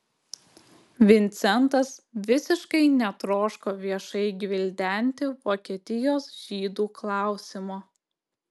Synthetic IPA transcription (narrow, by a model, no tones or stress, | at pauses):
ʋʲɪnʲt̪sʲɛnt̪ɐsʋʲɪsʲɪʃkɐɪnʲɛt̪ɾoːʃkoːʋʲiɛʃɐɪɡʲʋʲɪlʲd̪ʲæˑnʲt̪ʲɪʋoːkʲiɛt̪ʲɪjoːsʒ̥ʲiːd̪uːklˠɑˑʊsʲɪmoː